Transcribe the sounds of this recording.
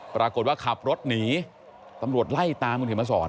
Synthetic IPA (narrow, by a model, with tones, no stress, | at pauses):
pɾaː˧ko˨˩t̪̚waː˥˩kʰa˨˩p̚ɾo˦˥t̪̚niː˩˦ | t̪a˧mɾu˨˩ət̪̚la˥˩jt̪aː˧mu˧nʰhi˩˦maː˧˩sɔː˩˦n